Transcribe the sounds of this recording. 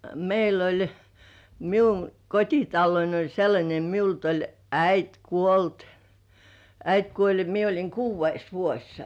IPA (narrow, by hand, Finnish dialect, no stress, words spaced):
meil olʲ miuŋ kotʲitɑlːoin olʲ selːɑnʲe miult olʲ æit kuolt æit kuolʲ jɑ mie olʲiŋ kuːʋˑeis ʋuosʲ